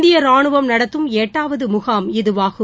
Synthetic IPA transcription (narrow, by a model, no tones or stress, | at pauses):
d̪ɪjɐɾaːɳɯʋɐmnɐɽɐt̪ːɯmeːʈːaːʋɐðɯmʊɣaːmɪðɯʋaːɣɯ